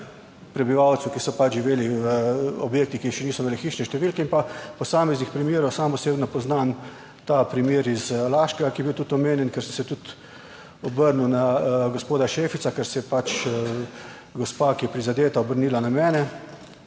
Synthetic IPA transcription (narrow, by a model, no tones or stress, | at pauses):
pɾɛbiʋawt̪sukisɔpat͡ʃʒiʋeːliʋəɔbjeːk̚t̪ikiːxʃɛniːsɔimeːlixiːʃnɛʃt̪ɛʋiːlkɛinpapɔsaːmɛznixpɾimjeːɾɔwsaːmpɔseːbnɔpɔznan | t̪apɾimjeːɾizlaːʃkɛɡakijɛbiwt̪ut̪ɔmeːnjɛnkɛɾsəmsɛt̪ut̪ | ɔbəɾnunaɡospoːd̪aʃeːfit̪sakɛɾsɛjɛpat͡ʃ | ɡɔspaːkijɛpɾizad̪eːt̪aɔbəɾniːlanamɛːnɛ